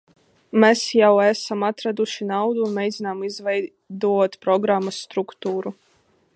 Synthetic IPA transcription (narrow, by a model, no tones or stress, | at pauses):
mesjawæsamat̪ɾad̪uʃinawd̪uːnmʲejd̪zinaːmizvɛj | d̪uɔt̪pɾɔɡɾamːasːt̪ɾukt̪uːɾu